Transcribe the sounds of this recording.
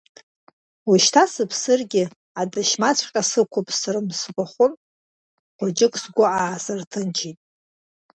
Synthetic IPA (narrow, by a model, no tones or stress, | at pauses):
wuʃtʰasɨpʰsɨrɡʲɪ | adɨʃmat͡sʷʰqʲʼasɨkʷʰʊpʼsɨrɨmsɡʷaχʷʊn | qʷʊd͡ʒɪkʷʼsɡʷʊaːsɨrtʰɨnt͡ʃʰitʼ